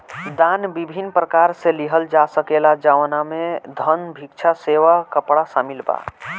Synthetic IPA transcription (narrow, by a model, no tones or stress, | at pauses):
d̪anbibʱinːpɾəkaɾseliɦəld͡ʒasəkelad͡ʒaʋnamed̪ʱənbʱikt͡ʃʰaseʋakəpɽasamilba̰